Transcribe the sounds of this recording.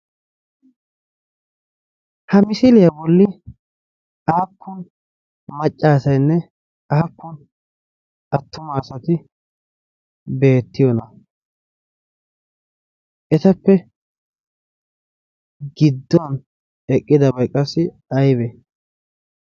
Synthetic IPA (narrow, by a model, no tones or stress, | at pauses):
hɐmɪsɪlɪjɐbɔlːɪ | aːkːʊn | mɐt͡ʃʼːaːsɐjnːɛ | ɐhɐkːʊn | ɐt̪ːʊmaːsɐt̪ɪ | be̞ːt̪ːɪjɔnɐ | ʔɛt̪ɐpːɛ | ɡɪd̪ːɔn | ɛkʼːɪd̪ɐbɐjkʼːɐsːɪ | ɐjbɛ